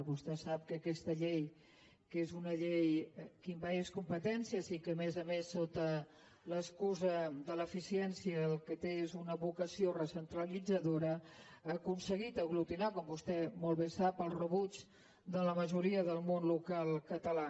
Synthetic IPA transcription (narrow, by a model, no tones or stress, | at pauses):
βust̪ɛsap̚kəːkɛst̪əʎej | kezunəʎejkimbaeskumpət̪ɛnsiəzikəmɛzəmesːot̪ə | ləskuzəd̪ələfisiɛnsiəːlˠkət̪eezunəβukəsiorəsənt̪ɾəlid͡zəðoɾəakunsəɣit̪əɣlut̪inakɔmbust̪ɛmɔlˠβesapəlˠrəβud͡ʒ | d̪ələməʒuɾiəðəlˠmonlukalˠkət̪əla